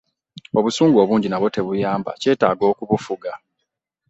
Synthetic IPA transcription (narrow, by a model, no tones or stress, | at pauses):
o̞βusuːŋɡo̞ːβuːɲɟinaβwo̞te̞βujaːmba̰ce̞ːtaːɡo̞ːkuβufuɡa